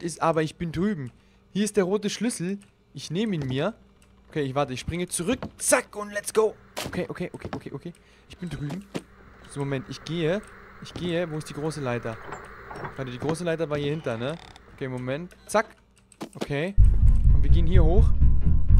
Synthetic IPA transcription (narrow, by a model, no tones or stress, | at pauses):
ɪsʔaːbɐɪçb̥ɪndʁyːbm̩ | hiːɐɪstd̥eːɐʁoːtəʃlʏsl̩ | ʔɪçneːməiːnmiːɐ | ʔokʰeːɪçv̥aɐtəɪçʃpʁ̥ɪŋət͡suʁʏkt͡sakʊntlɛtsɡ̥oʊ | ʔokʰeːʔokʰeːʔokʰeːʔokʰeːʔokʰeː | ʔɪçb̥ɪndʁyːbm̩ | momɛntɪçɡ̥eːəʔɪçɡ̥eːəvoːɪstd̥iːɡʁoːsəlaɪtɐ̥ | adədiːɡʁoːsəlaɪtɐvaːɐhiːɐhɪntɐnə | ʔokʰeːmomɛnt | t͡sak | ʔokʰeːʊntv̥iːɐɡeːənhiːɐhoːx